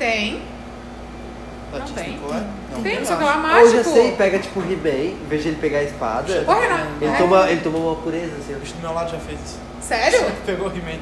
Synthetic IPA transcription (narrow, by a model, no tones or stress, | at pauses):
t̪ẽj̃ | aɐ̃t̪ẽj̃k̪oɛnɐ̃t̪ẽj̃oamaewʒasejpɛɡɐt͡ʃi̥pʊɦimejveʒɐelɪpeɡaɪspa̰d̪ɐpohenɐ̃elɪt̪õmɐelɪt̪õmɐũmɐpuɾezɐasĩiʃd̪umewlad̪ʊʒafezisʊ̥ | sɛɾʊpeɡohimej